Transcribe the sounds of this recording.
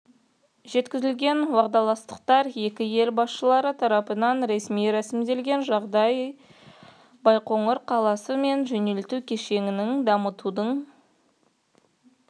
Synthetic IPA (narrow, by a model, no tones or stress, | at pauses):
ʒe̞t̪kʲɪzɪlɡʲe̞nwɑʁd̪ɑlˠɑst̪ə̥qt̪ɑɾe̞kʲɪje̞lbɑsʃəlˠɑɾət̪ʰɑɾɑpənɑnɾe̞smijɾæsɪmd̪e̞lɡʲe̞nʒɑʁd̪ɑj | bɑjqoɴəɾqʰɑlˠɑsəme̞nʒɵne̞lt̪ukʲʰe̞ʃe̞ŋʲɪnɪŋd̪ɑmət̪ud̪əɴ